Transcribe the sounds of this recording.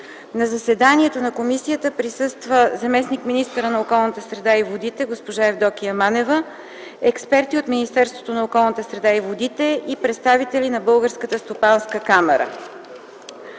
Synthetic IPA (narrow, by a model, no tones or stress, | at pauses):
nɐzɐsɛd̪aniɛt̪onɐkomisijət̪əpɾisɤst̪vəzɐmɛsnikminist̪əɾənɐokɔlˠnət̪əsɾɛd̪aivod̪it̪ɛɡospoʒaɛvd̪ɔk̟iɐmanɛvə | ɛkspɛɾt̪iot̪minist̪ɛɾst̪vo̥t̪onɐokɔlˠnət̪əsɾɛd̪aivod̪it̪ɛʔipɾɛt̪st̪avit̪ɛlinɐbɤlˠɡəɾskət̪əst̪opanskəkamɛɾə̰